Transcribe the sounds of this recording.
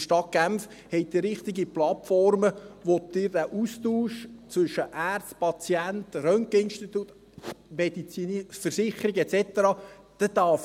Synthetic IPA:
ʃtɑt̚ɡ̥æmf | hɛɪt̚d̥̪ɪɾɪχt̪ɪɡiplɑtfɔɾməʋotdɪɾd̥æːʔust̪uːʃt͡sʋʏʃəʔæːrtspɑt͡siænt̪rœŋkɪnʃtit̪ut̪ | mɛd̥̪it͡sinfəɾsɪχəɾiɡɛtsɛt̪əɾɑː | d̪̥ɛd̪ɑf

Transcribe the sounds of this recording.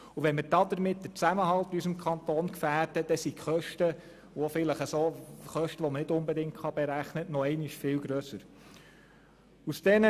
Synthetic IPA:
uʋɛnməɾd̥ɑːd̪əɾmɪt̚dət͡sæməɦɑlt̪ysəmkʰχɑnt̪oːnkfæːɾdəd̥ɛsikχœʃtə | ʋofɪləχəsoχœʃtəʋɔmənɪdʊmbɛdɪŋtχɑbɛɾæχnənɔɛɪnɪʃfɪlɡɾøsəɾ | usd̥ɛnə

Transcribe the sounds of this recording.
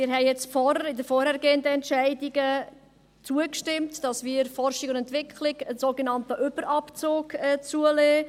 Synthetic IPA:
mɪːɾɦɛɪjɛt͡sfɔɾəɪdəfɔːɾhɛːɾɡeːəndəɛntʃæɪdiɡə | t͡suəkʃtɪmtd̥ɑsmiːəɾfɔrʃɪɡʊndɛntʋɪkχlɪɡənsoːɡənɑntəʔʏb̥əɾʔɑpt͡soːkɛt͡suəleː

